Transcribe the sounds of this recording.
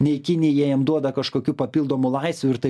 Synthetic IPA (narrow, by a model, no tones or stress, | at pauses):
nʲɛɪkʲɪnʲɪːjiɛjɛmd̪uɔd̪ɐkɐʃkoːkʲuːpɐpʲiːlˠd̪oːmʊlˠɐɪsʲʋʲʊɪɾt̪ɐɪ